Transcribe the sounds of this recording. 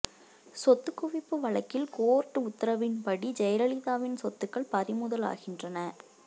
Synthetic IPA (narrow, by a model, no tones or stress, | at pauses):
sɔt̪ːɯkːʊʋɪpːɯʋɐɭɐkːɪlkoːɾʈːɯʊt̪ːɐɾɐʋɪnpɐɽid͡ʒɛjɐɾɐɭɪðaːʋɪnsɔt̪ːɯkːɐɭpɐðɪmʊðɐla̰ːɣɪndrɐnɐ